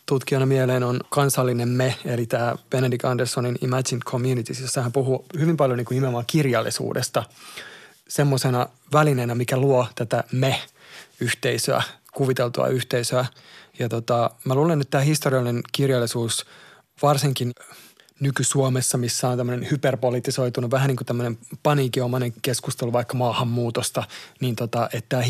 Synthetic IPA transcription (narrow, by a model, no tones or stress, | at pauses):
t̪ut̪kionɑmieleːnonkɑnsɑlːinemmeelit̪æːb̥enedikɑndersoninḭmæsinkʰomjunit̪isisːɑhæmpuhuhyʋimpɑljoniːŋkuimeomɑːkirjɑlːˑḭsṵːdest̪ɑ | semːosenɑ | ʋælinenæmikæluot̪æt̪æmehyht̪eisø̰æ̰kuʋit̪elt̪ṵɑ̰yht̪eisøæjɑt̪ot̪ɑmæluːlenet̪t̪ːæːhist̪oriɑlinenkirjɑlːisuːs | ʋɑrsiŋkin | nykysuomesːɑmisːæont̪æmːønenhyperpolit̪ːˑiso̞it̪unuʋʋæhæniːkut̪æmːønempɑniːkiomɑneŋkeskust̪eluʋɑikːɑmɑːhɑmːuːt̪ost̪ɑniːnt̪ot̪ɑʔet̪t̪æː